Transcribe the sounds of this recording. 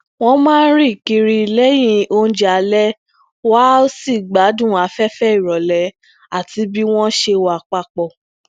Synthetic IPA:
w̃ɔ̃˦mãː˦ɾi˦˨ki˧ɾi˧le˦j̃ĩ˧˦o˧n̩˦d͡ʒa˨˧lɛ˦ | wa˦o˦si˦˨ɡ͡ba˨˦dũ˦˨a˨˦fɛ˦fɛ˦i˨ɾɔ˨lɛ˨˧ | a˨ti˧˦bi˦w̃ɔ̃˦ʃe˧wa˧˨k͡pa˧k͡pɔ˧˨

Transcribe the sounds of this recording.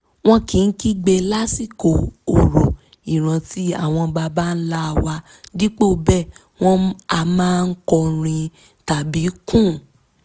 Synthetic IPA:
w̃ɔ̃˦kĩ˨n̩˦ki˦ɡ͡be˧la˦si˦˨ko˨o˨ɾo˨ | i˨ɾ̃ã˧ti˨˦a˦˨w̃ɔ̃˧ba˧ba˦˧n̩˦la˦˧wa˧ | di˦k͡po˦˨bɛ˦˨ | w̃ɔ̃˦a˧mãː˦˧n̩˦kɔ˧ɾ̃ĩ˧ | ta˨bi˨˦kũ˦˨

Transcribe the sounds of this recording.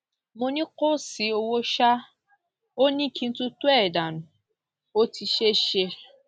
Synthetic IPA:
mo˧nĩ˦ko˦si˨˦o˧wo˦ʃa˦ | o˦nĩ˦˨kĩ˧n̩˦tũ˦tu˦ɛ˦˨da˨nũ˨ | o˦ti˧ʃe˦ʃe˧

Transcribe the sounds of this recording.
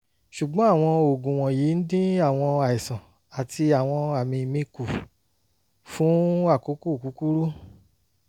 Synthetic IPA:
ʃu˨ɡ͡bɔ̃˨˦a˦˨w̃ɔ̃˧o˨ɡũ˨w̃ɔ̃˨ji˨˦n̩˦dĩ˦a˦˨w̃ɔ̃˧a˨i˨sã˨ | a˨ti˧a˨w̃ɔ̃˧a˨mĩ˧˨mĩ˦ku˨ | fũ˨˦wa˦˨ku˨˦ku˦˨ku˨˦ku˦ɾu˦

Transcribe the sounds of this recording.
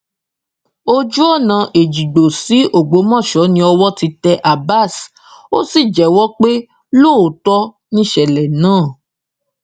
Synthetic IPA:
o˦d͡ʒu˦ɔ˦˨nã˧ʔe˨d͡ʒi˨ɡ͡bo˨si˨˦ʔo˦˨ɡ͡bo˨˦mɔ̃˦˨ʃɔ˨˦nĩ˧˦ɔ˧wɔ˦ti˧tɛ˧ʔa˨ba˦˨s | o˦si˦˨d͡ʒɛ˨wɔ˦k͡pe˦ | lo˦˨o˨tɔ˦ | nĩ˦ʃɛ˨lɛ˨nãː˦˨

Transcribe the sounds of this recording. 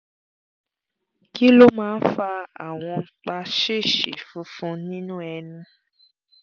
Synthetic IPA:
ki˦lo˦mãː˦n̩˦fa˧a̰˨w̃ɔ̃˧˦k͡pa˧ʃe˦˨ʃḛ˨fũ˧˦fũ˧nĩ˦nũ˦ɛ˧nũ˧

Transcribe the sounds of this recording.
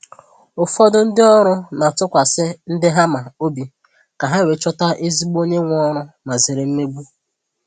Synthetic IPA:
ʊ˨fɔ˦dʊ˦n̩˦dɪ˦ɔ˦ɾʊ˦na˨tʊ˦kʷa˨sɪ˦n̩˦dɪ˦ɦa˦ma˨o˦bi˨ | ka˨ɦa˦we˨t͡ʃɔ˦ta˦ʔe˦zi˦ɡ͡bo˦ɲe˦ŋʷ˦ɔ˦ɾʊ˦ma˨zɪ˨ɾe˨m̩˦me˦ɡ͡bu˦

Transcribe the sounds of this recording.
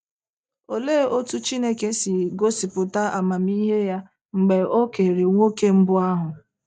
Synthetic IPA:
o˨le˦o˦tu˦t͡ʃi˦ne˦ke˦si˨ɡo˦si˨pʊ˨ta˦ʔa˨ma˨m̩i˦ɦe˦ja˦ | ŋ͡m̩˨ɡ͡be˨o˦ke˨ɾe˨ŋʷo˦ke˦m̩˦bʊ˦a˦ɦʊ˨

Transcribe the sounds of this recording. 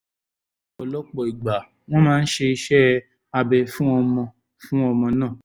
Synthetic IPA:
ɔ˨lɔ˨˦k͡pɔ˨i˨ɡ͡ba˨ | w̃ɔ̃˦mãː˦˧n̩˦ʃe˧i˧ʃɛ˦ | a˧bɛ˨˧fũ˦ɔ˧mɔ̃˧ | fũ˦ɔ˧mɔ̃˧nãː˦˨

